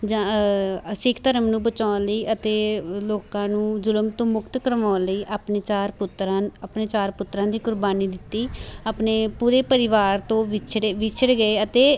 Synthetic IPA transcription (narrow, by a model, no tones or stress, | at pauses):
d͡ʒã | sɪkʰt̪əɾəmnũːbət͡ʃaːləiːʔət̪eːloːkãːnũːzʊləmt̪õːmʊkt̪kəɾʋaːləiːʔapnet͡ʃaːɾpʊt̪ɾapneːt͡ʃaːɾpʊt̪ːɾãːd̪iːkʊɾbaːniːd̪ɪt̪ːiːaːpneːpuːɾeːpəɾɪʋaːɾt̪õːʋt͡ʃʰɽeʋɪt͡ʃʰəɽɡəeːət̪eː